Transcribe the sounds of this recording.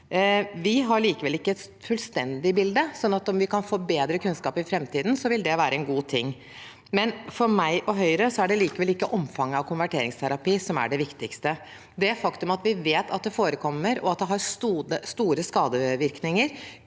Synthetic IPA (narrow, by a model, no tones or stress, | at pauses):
ʋɪɦɑɾɭiːkəʋɛlɪkːəɛt̪fʉlst̪ɛnd̪ɪbɪld̪əsɔnːɑt̪ɔmʋɪkʰɑnfoːbeːd̪ɾəkʰʉnskɑːpɪfɾɛmt̪ʰiːd̪n̩sɔʋɪld̪ɛʋæːɾəɛnɡuːt̪ʰɪŋː | mɛnfɔɾmæɪʔɔɦœʏɾəsɔæɖɛliːkəʋɛlɪkːəʔɔmfɑŋːəɑʋkʰʊnʋæʈʰeːɾɪŋst̪ʰæɾɑpiːsɔmæ̰ɖɛʋɪkt̪ɪkst̪ə | d̪ɛæfɑkt̪ʉmɑt̪ʋɪʋeːt̪ʰɑ̰t̪̚d̪ɛfoːɾəkʰɔmːəɾɔ̰ɑt̪̚d̪ɛɦɑɾst̪uːəst̪uːɾəskɑːd̪əʋɪɾknɪŋəɾ